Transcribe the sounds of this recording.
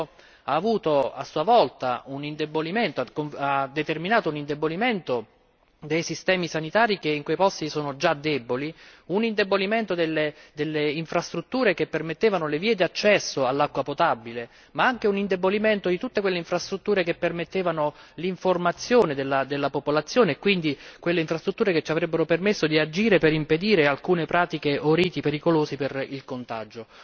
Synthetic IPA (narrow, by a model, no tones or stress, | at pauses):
aːvuːt̪oa̰sːuavɔlt̪a̰unind̪eboliment̪oakonad̪ːet̪erminaːt̪ounind̪eboliment̪o | d̪ejsist̪ɛːmisanit̪aːɾikeiŋkwejpɔst̪isoːnod͡ʒad̪ːɛboliunind̪eboliment̪od̪elːed̪elːeiɱfɾast̪ɾut̪ːuːɾekepːermet̪ːeːvanoleviːed̪iat͡ʃːɛsːoalːakːwapot̪abːile | maaŋk̟eunind̪eboliment̪od̪it̪ut̪ːekwelːeiɱfɾast̪ɾut̪ːuːɾekepːermet̪ːeːvanoliɱformat̪sːjoːned̪elːad̪elːapopolat̪sːjoːneːkːwind̪ikwelːeiɱfɾast̪ɾut̪ːuːɾeket͡ʃːiavɾɛbːeɾopermesːod̪iad͡ʒiːɾepeɾimped̪iːɾealkuːnepɾaːt̪ikeʔoɾiːt̪ipeɾikoloːsiperilkont̪a̰d͡ʒo